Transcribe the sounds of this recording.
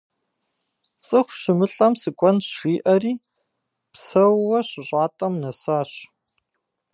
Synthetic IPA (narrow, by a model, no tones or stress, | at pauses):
t͡sʼɨxʷɕɪmɨɬʼɐmsɨkʷʼɔnʃiːʔɐriː | psɐwːɐɕɪɕʷʼaːtʼɐmnɐsaːɕ